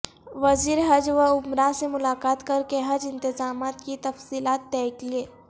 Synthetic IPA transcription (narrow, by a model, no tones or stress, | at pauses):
ʋɐziːɾɦɐd͡ʒʋəʊmɾasemʊlaːkaːt̪kɐɾkeɦɐd͡ʒɪ̃nt̪ɪzaːmaːt̪kit̪ɐfsiːlaːt̪̚ːɛːklieː